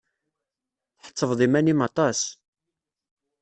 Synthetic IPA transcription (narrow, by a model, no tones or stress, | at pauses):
θħə̥t͡sːəvðˤimænimɑt̪ˤɑs